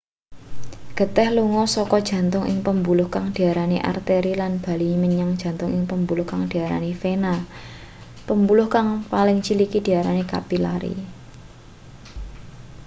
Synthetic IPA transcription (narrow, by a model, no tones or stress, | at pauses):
ɡ̥ə̤t̪ɛhluŋɔsɔkɔd̥ʒ̥ä̤nt̪ʊŋɪ̰ŋpəmbulʊhkaŋd̥i̤aɾaneʔa̰rt̪eɾilanb̥a̤liməɲaŋd̥ʒ̥a̤nt̪ʊŋɪŋpəmbulʊhkaŋd̥iaɾa̰nifena | pəmbulʊhkaŋpalɪŋt͡ʃilikid̥i̤aɾaneka̰pila̰ɾḭ